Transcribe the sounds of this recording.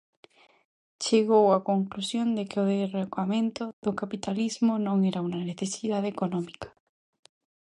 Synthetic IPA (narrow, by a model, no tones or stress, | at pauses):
t͡ʃeɣowakoŋklusjond̪ekeoðerekamẽnt̪ʊðokapit̪alizmonõŋɛɾaunɐneθesiðaðekonɔmikḁ